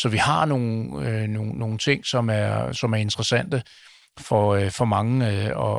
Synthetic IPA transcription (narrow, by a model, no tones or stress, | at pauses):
sɒ̽ʋihɑ̈no̝ːn̩no̝ːno̝ːn̩t͡sʰe̝ŋ̰sɒ̽mæɐsɒ̽mæɐe̝nd̥ʁɐsæn̰d̥ə | fɒfɒ̽mɑ̈ŋəɒ